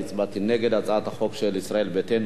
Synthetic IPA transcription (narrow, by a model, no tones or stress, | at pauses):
t͡sbat̪ineɡe̞d̪at͡sat̪haχo̞kʃelisɾae̞lbet̪en